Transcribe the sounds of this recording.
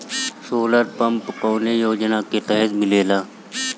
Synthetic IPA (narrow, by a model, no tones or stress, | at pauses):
soːləɾpəmpkoːnejoːd͡ʒnaket̪ɛɦɪzmɪleːlaː